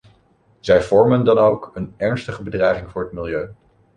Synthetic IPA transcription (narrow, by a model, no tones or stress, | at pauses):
z̥ɛjv̥ɔɹməndɑnowkənɛɹnstəχəbədrɛjχɪŋvʊːɹɦətmɪlˠjøɥ